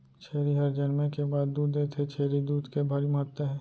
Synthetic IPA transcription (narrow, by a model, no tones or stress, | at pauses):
t͡ʃʰeːɾiɦɐɾd͡ʒɐnmẽkebaːd̪ːuːd̪et̪ʰet͡ʃʰeːɾid̪uːd̪kebʱaːɾimɐɦət̪ːəɦɛː